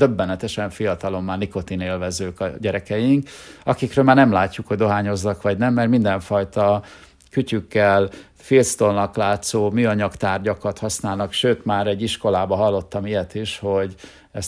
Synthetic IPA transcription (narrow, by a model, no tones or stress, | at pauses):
d̪øbːɛnɛt̪ɛʃɛɱfijɒt̪ɒlo̞mːaːrniko̞t̪ineːlvɛzøːkɒɟɛɾɛkɛjiŋkɒkikrøːlmaːrnɛmlaːcːukho̞ɟ̚d̪o̞ɦaːɲo̞zːɒkʋɒɟnɛmːɛrmind̪ɛɱfɒjt̪ɒ | kycykːɛl | filt̪st̪o̞lnɒklaːt̪soːmyːɒɲɒkt̪aːrɟɒkɒt̪hɒsnaːlnɒkʃøːt̪maːɾɛɟːiʃko̞laːbɒɦɒlːo̞t̪ːɒmijɛt̪iʃho̞ɟ | ɛs